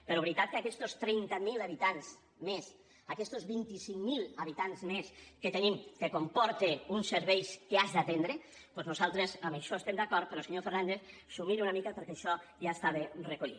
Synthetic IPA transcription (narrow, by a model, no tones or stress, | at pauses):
peɾoβɾit̪at̪̚keakɛst̪ost̪ɾɛnt̪amilaβit̪anz | mes | akɛst̪ozβint̪isiŋmilˠaβit̪anzmesket̪enimkekompɔɾt̪eunseɾβɛjskeazd̪at̪end̪ɾe | pɔznuzalˠt̪ɾezəmeʃɔest̪emd̪akɔɾt̪̚peɾɔlˠseɲofeɾnand̪eθsumiɾunamikapeɾkeʃɔʒaest̪aβerekuʎḭ